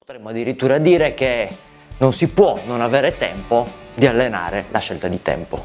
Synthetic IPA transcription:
pot̪ɾemːoad̪ːiɾit̪ːuːɾad̪iːɾek̟e | nonsipwɔnonaveːɾet̪ɛmpod̪ialːena̰ːɾelʔaʃːelt̪ad̪it̪ɛ̰mpo̰

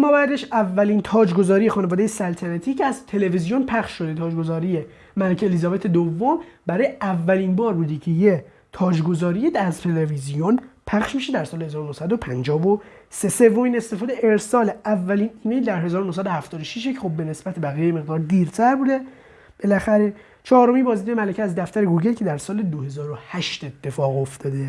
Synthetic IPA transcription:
mːɔːbæːæd̪eʃævːælint̪ʰɒːd͡ʒɡo̞zɒːɾije̞xɒːnevɒːd̪ejesælt̪ʰænæt̪ʰiːcʰeæzt̪ʰe̞le̞vizijonpʰæχʃʃo̞d̪et̪ʰɒːd͡ʒɡo̞zɒːɾije | mælekcʰeelizɒːbe̞t̪ʰe̞d̪ovːombæɾɒːjeʔævːæliːnbɒːɾbuːd̪icʰeje | t̪ʰɒːd͡ʒɡo̞zɒːɾijed̪æzt̪ʰe̞levizijonpʰæxʃmiʃed̪æɾsɒːlehezɒːɾonohsæd̪o̞pʰænd͡ʒɒːvo | se̞se̞vːo̞miːne̞st̪e̞fɒːd̪eʔeɾsɒːlævːæliːniːnejd̪æɾɦe̞zɒːɾonos̬æd̪ohæft̪ɒːd̪oʃiʃecʰexob̚ːe̞ne̞sbæt̪ʰebæɣijejeme̞ɣd̪ɒːɾd̪iːɾt̪ʰæɾbuːd̪e̞ | b̥e̞læxæɾe̞ | t͡ʃʰɒːɾo̞minbɒːzid̪jemælecʰeæzd̪æft̪æɾe̞ɡoɡelcʰe̞d̪æɾsɒːled̪ohe̞zɒːɾohæʃt̪et̪ʰːe̞fɒːɣo̞ft̪ʰɒːd̪e

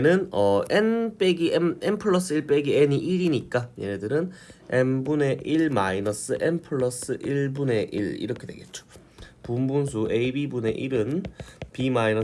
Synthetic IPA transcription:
nɯnʌenp͈e̞ɡiemempʰɯɭːʌs͈ɯiɭp͈e̞ɡieɲiʔiɾiɲik͈ajeedɯɾɯne̞mbune̞ʔiɭmainʌs͈ɯʔenpʰɯɭːʌs͈ɯʔiɭbune̞ʔḭɾḭɾʌkʰe̞dwe̞̰ɡe̞t̚t͡ɕ͈o̥ | pumbunsʰueibibune̞̰ʔiɾɯnpimainʌ

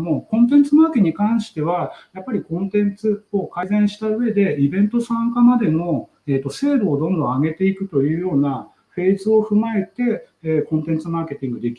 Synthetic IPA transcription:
mokõ̞nt̪̬ẽ̞nt͡sɨmaːkɲ̟ikãɰ̃ɕi̥t̪e̞β̞ajapːaɾʲikõ̞nt̪ẽ̞nt͡sɨokaizẽ̞ɰ̃ɕi̥t̪aɯ̟e̞d̪e̞ibẽ̞nt̪o̞sãŋkamad̪e̞no̞ | eːt̪ːo̞se̞ːɾoːd̪õ̞nd̪õ̞aɡe̞t̪e̞ikɯ̟t̪o̞jɯ̟ːjo̞ːna | ɸe̞ːzɨo̞ɸɯ̟mae̞t̪e̞ːkõ̞nt̪ẽ̞nt͡sɨmaːke̞t̪ʲĩŋɡɯ̟d̪e̞kʲi

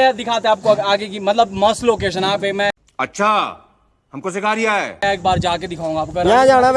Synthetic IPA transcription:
ed̪ɪkʰaːt̪eɛ̃aːp̚koaːɡekimɐt̪ləbmɐsloːkeːʃ̬ənãːemɛ̃ | ɐtːʃʰaː | hɐmkos̬ɪkaːɾijaɦɛːeːk̚baːɾd͡ʒaːked̪ɪkʰaːũːŋɡaːp̚kɐjɦãd͡ʒaːɽ̃am

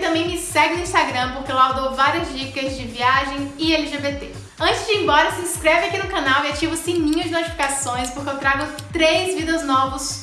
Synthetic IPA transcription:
t̪ɐ̃mbẽj̃mɪsɛɡɪnʊĩst̪aɡɾɐ̃poɾkelawd̪owvaɾiɐzd͡ʒikɐzd͡ʒɪviaʒẽj̃ɪɛliʒebet̪e | ɐ̃t͡ʃɪzd͡ʒɪẽmbɔɾɐsiĩskɾevɪakinʊkɐ̃nawiat͡ʃivʊsẽj̃mĩɲɐd͡ʒɪnot͡ʃi̥fi̥kasõj̃spoɾkɪewt̪ɾaɡʊ | t̪ɾejzvid̪ɐznɔvɐs

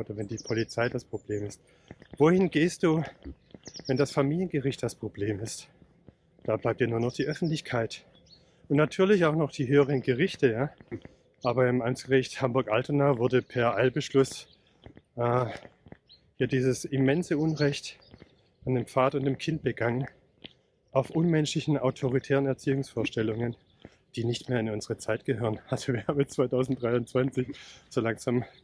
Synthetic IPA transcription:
ʔoːdɐvɛndiːpʰɔlit͡saɪdaspʁ̥obleːmɪst | voːhɪnɡeːst̚d̥uː | vɛndasfamiːljənɡəʁɪçt̚d̥aspʁ̥obleːmɪst | d̥aːblaɪp̚tjaɐnuːɐnɔχd̥iːʔœfn̩tlɪçkʰaɪt | ʔʊntnatʰyːɐlɪçaʊxnɔχd̥iːɦøːəʁ̞ənɡəʁɪçtəjaː | ʔaːbɐɪmʔamt͡sɡ̥əʁɪçthambʊɐkʔaltənavʊɐdəpʰɛːɐʔaɪlbəʃlʊs | ʔɛː | jaːdiːzəsɪmɛnzəʊnʁɛçt | andeːmp͡faːtʊntd̥eːmkʰɪnt̚b̥əɡaŋən | aʊfʔʊnmɛnʃlɪçn̩aʊtʰoʁitʰɛːʁənɛɐt͡siːʊŋsfoːɐʃtɛlʊŋən | d̥iːnɪçtmeːɐɪnʊnzəʁət͡saɪtɡ̥əhøːʁənalz̥oviːɐhaːbmɛt͡sv̥aɪtʰaʊzn̩td̥ʁaɪʊnt͡sv̥ant͡sɪçz̥oːlaŋz̥am

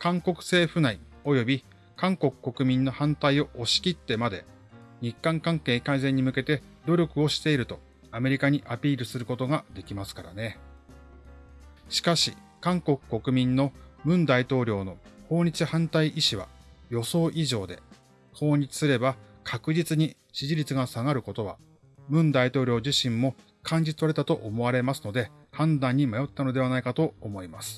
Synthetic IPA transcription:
kãŋko̞kɯ̟̥se̞ːɸɯ̟naio̞jo̞bʲi | kãŋko̞kɯ̟̥ko̞kɯ̟mʲĩnːo̞hãnt̪aio̞ʔoɕi̥kʲit̪ːe̞mad̪e̞̰ | ɲ̟ikːãŋkãŋke̞ːkaizẽ̞ɲ̟ːimɯ̟ke̞t̪e̞ | d̪o̞ɾʲo̞kɯ̟o̞ɕi̥t̪e̞iɾɯ̟t̪o̞ | ame̞ɾʲikaɲ̟iʔapʲiːɾɯ̟sɨɾɯ̟ko̞t̪oɡad̪e̞kʲimasɨ̥kaɾa̰ne̞ | ɕi̥kaɕi | kãŋko̞kɯ̥ko̞kɯ̟mʲĩnːo̞mɯ̟̃nd̪ait̪o̞ːɾʲo̞ːno̞ho̞ːɲ̟it͡sɨhãnt̪aiʔiɕiβa̰jo̞so̞ːʔiʑo̞ːd̪e̞̰ | ho̞ːɲ̟it͡sɨ̥sɨɾe̞bakʰakɯ̟ʑit͡sɨɲ̟i | ɕiʑiɾʲit͡sɨɡasaɡaɾɯ̟ko̞t̪o̞βa̰ | mɯ̟̃nd̪ait̪o̞ːɾʲo̞ːʑiɕĩmːo̞ | kʰãɲ̟d͡ʑit͡sɨaɾet̪at̪o̞ʔomo̞βaɾe̞masɨno̞d̪e̞ | hãnd̪ãɲ̟ːimajo̞t̪ːano̞d̪e̞β̞anaikat̪o̞ːmo̞imasɨ̥

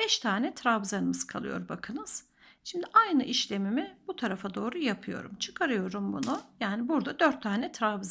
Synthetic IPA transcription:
b̥ɛʃt̪ʰaːnɛt̪ʰɾaːvzanɯmɯzkʰalˠɯ̰jo̞̰ɾbakʰɯnɯz̥ | ʃimd̪iʔajnɯʔiʃlʲe̞mimɪbut̪ʰaɾafad̪o̞ːɾujapʰɯjo̞̰ɾṵmt͡ʃʰɯ̥kʰaɾɯjo̞ɾumbunujaːnibuɾd̪ad̪øɾt̪ʰːaːnɛt̪ʰɾaːvz

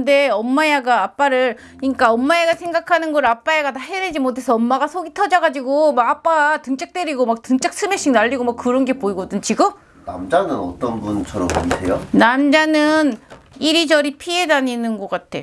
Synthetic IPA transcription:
kɯnde̞ʌmːajaɡaːp͈aɾɯɾ | ɲik͈aʌmːaeɡasʰe̞ŋɡakʰanɯnɡʌɾɯɭap͈ajeɡataɦeɾed͡ʑimotʰe̞sʰʌʌmːaɡasʰoɡitʰʌd͡ʑʌɡad͡ʑiɡomaɡap͈aatɯŋt͡ɕ͈ʰak̚t͈eɾiɡomak̚tɯŋt͡ɕ͈ʰak̚s͈ʰɯmeɕ͈iŋnaʎːiɡomakkɯɾʌnɡe̞poiɡʌdɯnt͡ɕiɡɯ | na̰md͡ʑanɯnʌ̰t͈ʌnbunt͡ɕʰʌɾʌmpoɡitʰejonamd͡ʑanɯniɾid͡ʑʌɾipʰie̞daɲinɯnɡʌk͈atʰe̞

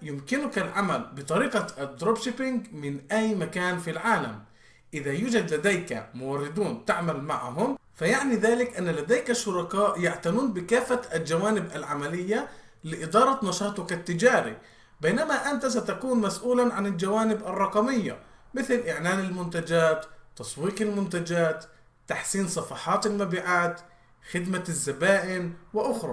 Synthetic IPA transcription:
jʊmkɪnʊkalʕamalbɪt̪ˤɑɾiːqɑd̪ɾoːbʃɪpɪŋɡmɪnʔajːmakaːnfilʕaːla̰m | ʔɪðajuːd͡ʒad̪lad̪ajka̰mʊwɑrːɪd̪uːnt̪aʕmalmaʕɦʊmfajaʕniðaːlɪkʔanːalad̪ajkaʃːʊɾˤɑkaːʔjaʕt̪anuːnbɪkaːfːaald͡ʒawaːnɪbʔalʕamalɪjːa | lɪʔɪd̪ɑːɾˤɑt̪nɑʃɑːt̪ˤʊkat̪ːɪd͡ʒaːɾḭ | beːnamaʔant̪as̬at̪akuːnmasʔuːlaʕanɪld͡ʒawaːnɪbʔɑrˤːɑqɑmɪjːa̰ | mɪθɪlʔɪʕnaːnɪlmʊnt̪ad͡ʒaːt̪ːɑsˤwiːqɪlmʊnt̪ad͡ʒaːt̪ː | aħsiːnsˤɑfɑħɑːt̪ɪlmabiːʕaːt̪ | xɪd̪mazːabaːʔɪnwɪʔʊxɾˤɑ̰

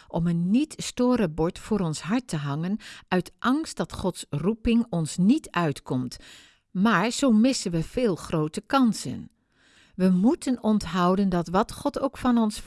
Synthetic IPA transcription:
ʔɔmənːitstoːɾəbɔɹtfʊːɾɔnsɦɑɹtəɦɑŋənœɥtʔɑŋst̚d̥ɑtχɔtsrupɪŋɔnsnitʰœɥtkɔmt | maːɹz̥oːmɪsənʋəv̥ɪːlˠχrowtəkɑnsə̰n | ʋəmutʰənɔntɦɑwdəndɑtʋɑtχɔtowkfɑnɔns

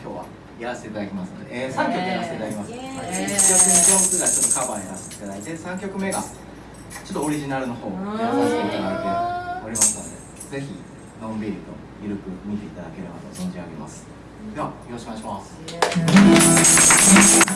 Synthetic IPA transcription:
kʲo̞̰ːβa̰ | jaɾase̥teːt̪ad̪akʲimasɨnod̪esãŋkʲo̞kɯjaɾase̥t̪eit̪ad̪akʲimasɨeikkʲokɯ̟ɲikõŋkɯɡat͡ɕo̞t̪ːo̞kabajaɾase̥t̪eit̪ad̪ait̪e̞sãŋkʲo̞kɯ̟me̞ːɡa | t͡ɕo̞t̪ːooɾʲiʑinaɾɯ̟no̞ho̞ːɡaast̪ek̪anaet̪eoɾʲimasɨno̞d̪e̞̰ | d͡ze̞çḭ | nõ̞mbʲiɾʲit̪o̞̰ | jɯ̟ɾɯ̟kɯ̟mʲit̪e̞it̪ad̪ake̞ɾe̞ba̰t̪o̞zõ̞ɲd͡ʑiaɡemasɨ̥ | d̪e̞βajooɕikɯmaiɕimaːs

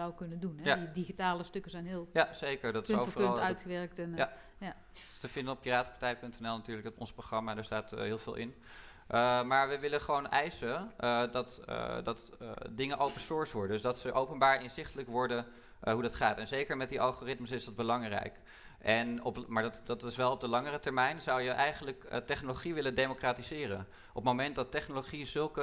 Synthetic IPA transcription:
zawkɵnədunadiχitaːləstɵkəzɛjnɦɪːlˠjaz̥ejkəɹdɑtɪso̰vərnlˠtœɥtχəʋɛɹk̚tɛnja | ja | stəvɪndənɔp̚piraːtə̥pḁɹtɛjpɵntɛnɛlˠnatyːɹləkɔ̰nsproχrɑmaːdaːɹstaːtɦɪːlˠv̥ɪ̰ːlˠʔɪ̰n | ʔəmaːɹʋəʋɪləχəʋownʔɛjsədɑtə̰dɑtːdɪŋəʔowpənsɔɹsʋɔɹdədɵzdɑtsəʔowpənbaːɹɪnzɪχtələkʋɔɹdə | ɦudɑtχaːtɛnzejkəɹmɛt̚diʔɑlˠχoːrɪtməsɪzdɑd̚bəlɑŋrɛ̰jk | ʔɛnɔpmaːdɑtdɑtɪsʋɛlˠɔb̚dəlɑŋərətɛɹmɛjnzɑwjəʔɛjχənləkətɛχnoloχiʋɪləndejmokraːtizɪːrən | ʔɔpmowmɛnt̚dɑtɛχnoloχizɵlˠkə

